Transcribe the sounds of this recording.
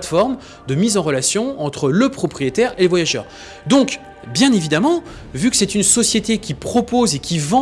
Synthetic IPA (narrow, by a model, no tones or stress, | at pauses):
t̪fɔʁm | d̪əmizɑ̃ʁəlasjɔ̃ɑ̃t̪χələpχɔpχijet̪ɛʁeləvwajaʒœ̰ːʁ | d̪ɔ̃k | bjɛ̃nevid̪amɑ̃ | vykə̥sɛt̪ynsɔsjet̪ekʲipχɔpozekʲivɑ̃